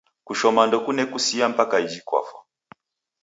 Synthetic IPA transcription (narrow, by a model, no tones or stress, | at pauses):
kuʃɔmandɔkunɛkusiam̩pakaid͡ʒikwa̰fa